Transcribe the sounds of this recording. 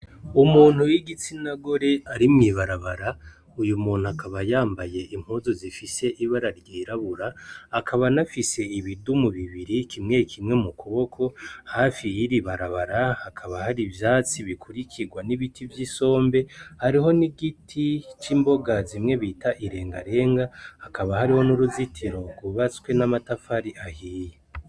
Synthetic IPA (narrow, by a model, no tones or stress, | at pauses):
umuːn̥hujiɡit͡sinaɡo̞ɾe̞aɾimŋiːβaɾaβaɾa | ujumuːn̥huakʰaβajaːmbaje̞ʔim̥huzozifise̞ʔiβaɾaɾɡiːɾaβuɾaːkʰaβanafise̞iβidumuβiβiɾikʰimŋe̞kʰimŋe̞mukuβo̞kʰo̞hafiiɾiβaɾaβaɾahakʰaβahaɾivjaːt͡siβikʰuɾikʰiɡwaniβitʰivjiso̞ːmbe̞haɾiɦo̞niɡitʰit͡ʃiːmbo̞ɡazimŋe̞βitʰaʔiɾe̞ːŋɡaɾe̞ːŋɡahːkʰaβahaɾiho̞nuɾuzitʰiɾo̞ɡuβat͡skwe̞namatafaɾiʔahiːje